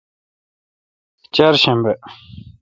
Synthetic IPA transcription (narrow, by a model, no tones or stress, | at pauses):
t͡ɕarɕanpa